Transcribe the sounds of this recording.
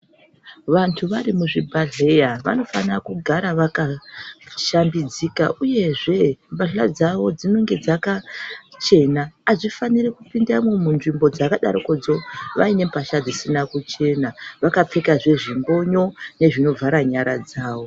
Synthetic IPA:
ʋantʰuʋarimuʐibʱaɮejaʋa̰no̞fa̰nirakuɡʱaɾaʋaka | ʃambid͡zikaʔuje̞ʐe̞mbaɬad͡zaʋo̞d͡zino̞ŋɡe̞d͡zakat͡ʃe̞naːʐifanirekupindamomunʐimbo̞d͡zakaɗa̰ɾoko̞d͡zo̞ʋa̰ine̞mbaʃad͡zisinakut͡ʃe̞naʋakap͡fe̞kaʐe̞ʐiŋɡo̞ɲo̞ne̞ʐino̞vʱaɾaɲaɾad͡zaːʋo̞

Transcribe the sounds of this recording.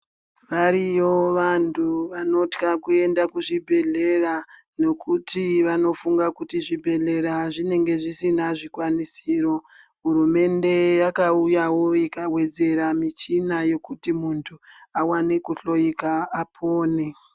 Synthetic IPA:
ʋaɾijo̞ʋantʰuʋano̞tkakue̞ndakuʐibʱe̞ɮe̞ra | no̞kʰutʰiʋano̞fuŋɡakutiʐibʱe̞ɮe̞ɾaʐine̞ŋɡe̞ʐisinaʐikwanisiro̞ɦuɾume̞nde̞jakaujawo̞ikawe̞d͡ze̞ɾamit͡ʃinajo̞kutimuntʰuawanekuɬo̞ikaːpʰoːne

